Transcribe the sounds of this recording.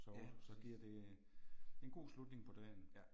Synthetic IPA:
sɒd̥sɒ̽ɡ̥iɐ̰d̥e̝̥ | e̝nɡ̥o̝̰ːslud̥ne̝ŋpʰɒ̽d̥ɛn

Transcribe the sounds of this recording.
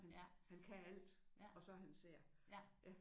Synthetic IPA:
hænhænkʰææl̰d̥ɒ̽sɒ̽ɦænse̝ɐ̰jæ

